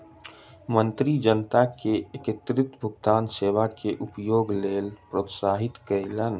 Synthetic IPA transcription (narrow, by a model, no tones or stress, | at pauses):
mənt̪ɾid͡ʒənət̪akeekɪt̪ɾɪt̪bʱʊɡt̪aːnseːʋakeʔʊpjoːɡleːlpɾoːt̪saːɦɪt̪kəelən